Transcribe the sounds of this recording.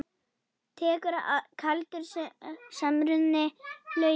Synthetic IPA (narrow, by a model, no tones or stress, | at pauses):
t̪ʰɛːkʏɾaʔakʰalt̪ʏɾ̥ssamɾʏðnɪlœː